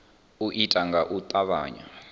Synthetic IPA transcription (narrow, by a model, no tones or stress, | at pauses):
uʔitʼaŋɡaʔut̪ʼaβa̰ːɲa̰